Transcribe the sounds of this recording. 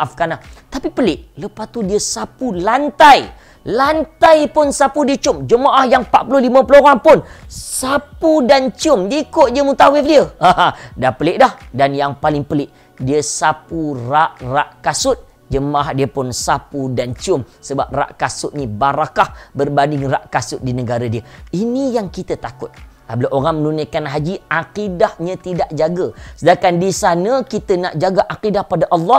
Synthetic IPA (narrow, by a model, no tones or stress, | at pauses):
ʔafɡanat̪apipəlɪʔləpast̪udiəsapulant̪aj | lant̪ajpʊnsapudiət͡ʃʊmd͡ʒəmaʔahjaŋpa̰ʔpulohlimãpəloɣaŋpʊnsapudant͡ʃiʊmdiikʊt̪̚diəmut̪awɪfdiəãdapəlɪʔdahdanjaŋpalɪŋpəlɪʔ | diəsapuraʔraʔkasʊt̪̚ | d͡ʒəmahdiəpʊnsapudant͡ʃiʊmsəba̰p̚ra̰ʔkasʊt̪̚nibaɾakahbərbanɪŋra̰ʔkasʊt̪̚dinəɡaɾadiəinijaŋkit̪ət̪akʊt̪̚ | abəlaʔoɾaŋmənunajkanɦad͡ʒiaqidahɲãt̪idaʔd͡ʒaɡəsədakandisanəkit̪ənaʔd͡ʒaɡaʔaqidahpadaʔɑlːɑ